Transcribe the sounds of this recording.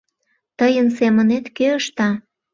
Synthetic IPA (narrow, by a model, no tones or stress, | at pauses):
t̪əjənsemənet̪keəʃt̪ɑ